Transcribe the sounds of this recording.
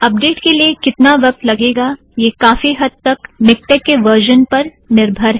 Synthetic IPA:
ɐp̚ɖeːʈkeliekɪt̪naʋɐk̚t̪lɐɡeːɡa | jeːkaːfiɦɐd̪̚t̪ɐkmɪk̚ʈɛːkːeʋəɾʒənpɐɾ | nɪɾbʱəɾɦɛ

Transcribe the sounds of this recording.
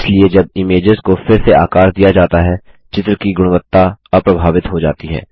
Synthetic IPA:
slied͡ʒɐb̚ɪmeːd͡ʒəzkofɪɾsea̰ːkaːɾd̪ijad͡ʒaːt̪aɦɛ | t͡ʃɪt̪ɾkiɡʊɽ̃ʋət̪ːapɾɐbʱaːʋɪt̪ɦod͡ʒa̰ːt̪iɦɛ̰ː

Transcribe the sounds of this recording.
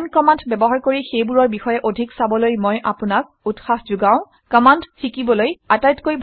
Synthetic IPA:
nkɔmantbɛbɔɦaɹkoɹixejbuɹɔɹbixɔjɛʔodʱiksabɔlojmɔjʔapʊnak̚ | utxaxzuɡãʊ̃ | kɔmanttʰikibɔlojatajtkojbʱ

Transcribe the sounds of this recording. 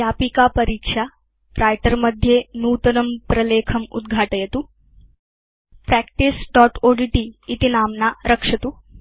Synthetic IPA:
japikapəɾiːkʂa | ɾʔajʈəɾməd̪ʱːjenuːt̪ɐnɐmpɾɐleːkʰɐmṵd̪ɡʱaːʈəjet̪u | pɾɛkʈisɖɔʈoɖiʈiːt̪inaːmnaɾəkʂɐt̪uː

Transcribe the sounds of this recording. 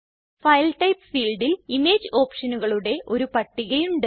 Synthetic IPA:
fɐjɐlʈɐjpːfiːlɖilimeːd͡ʑɨo̞ːpʂɐnuɣɐɭuɽe̞ʔo̞ɾupɐʈːiɣɐjuɳɖɨ

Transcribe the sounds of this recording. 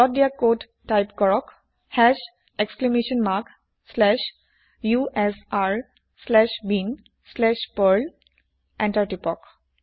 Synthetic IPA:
ɔt̚d̪jakoɖ | ʈaɪpkɔɹɔk | hɛʃ | eksklɛmeʃə̃nmaɾk | slɛʃ | juʔɛsaɾ | slɛʃbin | slɛʃpəɾl | ʔɛ̃ɳʈaɾʈipɔk

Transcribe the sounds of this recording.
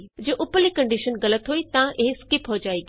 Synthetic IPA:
d͡ʑeːʔʊpəlikɐ̃ɳɖiʃənɣɐlət̪ɦuːit̪ɐãʔɪɦɪskɪpɦod͡ʑaːiɡ

